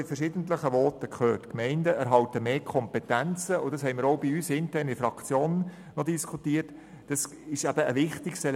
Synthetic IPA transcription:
ɪfɛɾʃɪːd̥ən̩tləχəʋɔːtəkʰχøːrtkmɛɪndəæɾɦɑwtəmeːkʰɔmpetænt͡səʊd̥ɑshɛɪmɪɾoʊbiyːsɪntɛːrnifɾɑkt͡sjoːn | nɔdiskʰutiːət | d̥ɑs | ɪʃæbəəʋɪχtɪkstɛl

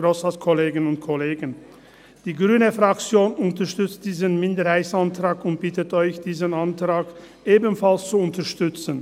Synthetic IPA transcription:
ɾosaskʰoleːɡənʊntkʰoleːɡən | d̥iːɡʁyːnəfʁ̥akt͡sjoːnʊntɐʃtʏt͡st̚d̥iːzənmɪndəɾhaɪtsantʁ̥aːkʊnt̚b̥ɪtətɔʏçd̥iːzənantʁ̥aːk | ʔeːbənfalst͡suʊntəʃtʏt͡sən

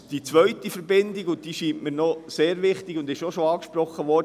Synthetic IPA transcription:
d̥it͡sʋœɥtifəɾbɪndiɡʊnt̚d̥iːʃiːmʔməɾnɔseːɾʋɪχtɪɡʊndɪʃoʃoɑːkʃprɔχəʋɔɾ

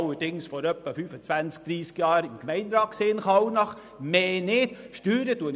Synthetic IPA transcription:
ləd̥ɪŋsfɔɾœpːəfyːfət͡svænt͡sk̚d̪̥ɾiːskjɑːɾɪmkmɛɪnɾɑːt̚kseːnχɑwnɑχ | meːnɪtʃtyːɾətuən

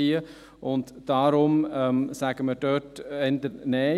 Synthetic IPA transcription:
iːə | ʔʊntd̥ɑɾʊmɛmsæɡ̥əmədøtɛndənɛː

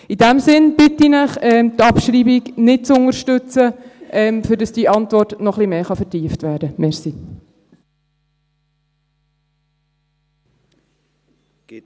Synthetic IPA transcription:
idæmsɪnb̥ɪtinəχɛmtɑpʃɾiːbiɡnɪt̚t͡sʊŋəɾʃtʏt͡səʔɛːmfʏdɑsd̥iʔɑntʋɔrtnɔχlimeːχɑfɛɾtiːəftʋæːɾd̥əmɛɾsi

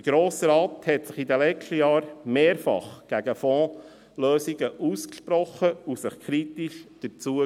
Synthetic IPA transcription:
dəɡ̥ɾoːsəɾɑːthɛtsɪχidəlɛt͡ʃʃtəjɑːɾmeːɾfɑ̰χɡ̥æɡ̥əfɔ̃ː | løːsiɡəʔuːskʃpɾɔχəusɪχkʰɾitiʃd̥ət͡suə

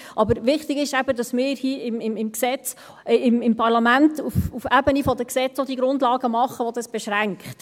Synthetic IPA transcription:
ʔɑbəɾʋɪχtɪɡɪʃæbədɑsmɪːɾhiːɪmɪmɪmksɛt͡s | ɪmɪmpʰɑɾlɑmæntufufæbənifɔd̪əksɛt͡sod̥̪iəɡɾʊndlɑːɡəmɑχəʋod̪ɑsb̥ɛʃɾæŋkχt

